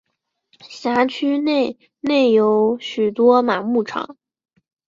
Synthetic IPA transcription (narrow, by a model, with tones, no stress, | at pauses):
ɕja˧˥t͡ɕʰy˥ne˥˩ɪ | ne˥˩ɪjo˧˥ʊɕy˨˩t̪wɔ˥ma˨˩mu˥˩ʈ͡ʂʰɑ̰˨˩˦ŋ